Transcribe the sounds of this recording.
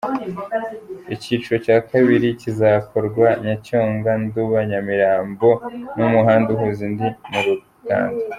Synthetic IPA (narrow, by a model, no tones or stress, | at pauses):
iciːt͡ʃuɾocaːkaβiɾicizakoɾɡwaɲacoːŋɡanduβaɲamiɾaːmbo̞numuɦaːnduɦuzindimuɾu | ka̰ːnda